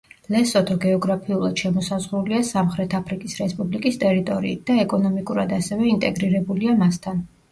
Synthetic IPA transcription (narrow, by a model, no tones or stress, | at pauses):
lɛsɔt̪ʰɔɡɛɔɡɾapʰiulˠad̪̥ʃɛmɔsazʁɾuliasamχɾɛt̪ʰapʰɾikʼisɾɛspʼublikʼist̪ʼɛɾit̪ʼɔɾḭːt̪̚d̪̥aɛkʼɔnɔmikʼuɾad̪asɛvɛint̪ʼɛɡɾiɾɛbuliamast̪ʰan